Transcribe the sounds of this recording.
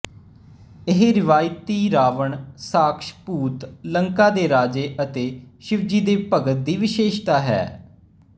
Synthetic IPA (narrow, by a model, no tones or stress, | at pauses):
ɪɦɾɪʋaːjt̪ːiːɾaːʋəɳsaːkʃpuːt̪ləŋkaːd̪eːɾaːd͡ʒeːʔət̪eːʃɪʋd͡ʒiːd̪eːpəɡət̪̚d̪iːʋɪʃeːʃt̪aːɦɛ̰ː